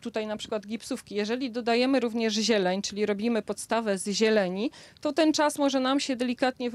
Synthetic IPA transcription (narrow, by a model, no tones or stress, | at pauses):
t̪ut̪ajnapʂɘ̥kwad̪ɡʲipsufkʲijɛʐɛlʲid̪ɔd̪ajɛmɘɾuvɲɛʐʑɛlɛɲt͡ʂɘlʲiɾɔbʲimɘpɔt̪st̪avɛzʑɛlɛɲit̪ɔt̪ɛnt͡ʂasmɔʐɛnamɕɛd̪ɛlʲikat̪ɲɛv